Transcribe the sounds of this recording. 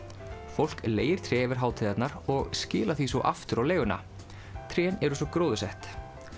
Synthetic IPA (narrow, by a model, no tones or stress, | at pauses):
fowl̥kleːjɪɾ̥t̪ʰɾɛɛvɪɾ̥ɦaːwt̪ʰiðat̪naɾɔɣscɪːlaɾ̥θisɔʔa̰ft̪ʏɾawleːjɣʏna̰ | t̪ʰɾɛːnɛɾʏsɔkɾoːwðʏsɛht̪